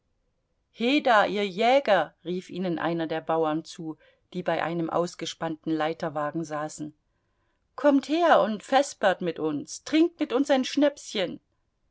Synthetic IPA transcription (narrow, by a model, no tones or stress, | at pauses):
heːdaʔiːɐjɛːɡɐʁiːfʔiːnənʔa̰ɪnɐdeːɐbaʊɐnt͡suː | d̥iːbaɪʔa̰ɪnəmʔa̰ʊsɡ̥əʃpantn̩laɪtɐvaːɡŋ̩zaːsn̩ | kʰɔmtheːɐʔʊntfɛspɐtmɪtʔʊnstʁ̥ɪŋk̚tmɪtʊnsaɪnʃnɛpsçən